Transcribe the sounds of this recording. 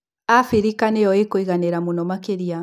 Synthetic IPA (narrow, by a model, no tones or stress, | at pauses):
afiɾikaneɔekoiɣaneɾamunɔmakeɾia